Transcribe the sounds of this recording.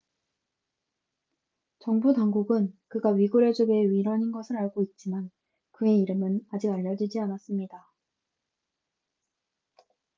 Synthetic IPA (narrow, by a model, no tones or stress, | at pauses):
t͡ɕʌŋbutaŋɡuɡɯnkɯɡaɥiɡuɾed͡ʑoɡeɥiɾʌɲinɡʌsʰɯɾaɭɡoit̚t͡ɕ͈iman | kɯe̞iɾɯmɯnad͡ʑiɡaʎːʌd͡ʑid͡ʑianas͈ɯmɲida